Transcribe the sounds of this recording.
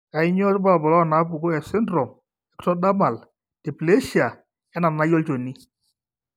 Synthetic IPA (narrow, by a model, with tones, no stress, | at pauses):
a˨ɪ˦ɲɔ˦ɾɪ˦ba˦lbɔ˨lɔ˦˨na˨˦pʊ˨kʊ˦ɛ˨sɛ˦ndɾɔ˨m | ɛ˨ktɔ˦da˦ma˨l | te˨ple˦ʃi˨a˨ | ɛ˨˦na˨na˦jɔ˦lt͡ʃo˨ni˦